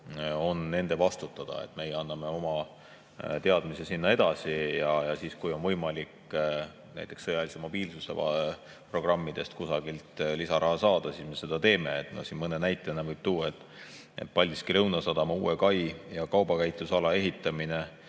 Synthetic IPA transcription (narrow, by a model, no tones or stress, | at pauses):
o̞nːe̞nd̪̥e̞vɑst̪ut̪ːˑɑd̪̥ɑ̰ḛt̪ːˑme̞jɑnːɑme̞o̞mɑ | t̪e̞ɑd̪mise̞sinːɑe̞d̪̥ɑsijɑjɑsiːskujo̞nvɤjmɑlʲik | næ̰jt̪ːˑe̞ksɤjɑlisemo̞b̥iːlsuse̞̰ɑ̰ | pro̞ɡ̥rɑmːid̪̥e̞st̪kusɑɡ̥ilt̪lisɑɾʔɑɦɑsɑːd̪̥ɑsiːsme̞se̞d̪̥ɑt̪e̞ːme̞ːt̪no̰sinmɤnenæjt̪ːˑenevɤjb̥̚t̪uːet̪ːˑ | ḛt̪̚ːˑpɑlʲd̪iskiɾɤwnɑsɑd̪̥ɑmɑṵːekɑjjɑkɑwbɑkæjt̪lusɑlɑe̞ɦit̪ːˑɑmine